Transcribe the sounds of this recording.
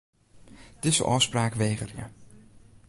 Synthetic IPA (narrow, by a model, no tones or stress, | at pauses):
d̥ɪsə̰ʔɔwspraːkʋejɣərɪə̰